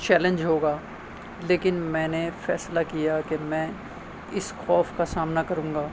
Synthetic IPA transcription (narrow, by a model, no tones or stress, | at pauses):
t͡ʃɛːlə̃ɲd͡ʒɦoːɡaː | leːkɪnmɛ̃ːnefɛːslakijakemɛ̃ː | ɪsxɔːfkasaːmnakɐɾũːŋɡaː